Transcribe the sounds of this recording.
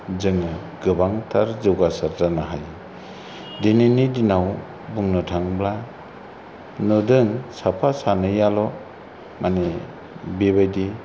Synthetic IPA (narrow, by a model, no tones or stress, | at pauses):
zɯŋɯ | ɡɯbaŋtʰaɾzɯwɡasaɾdanaɦaj | deninidinaw | buŋnɔtʰaŋbla | nɯdɯŋsapʰasanɯjalɔ | mʔane | beβajdi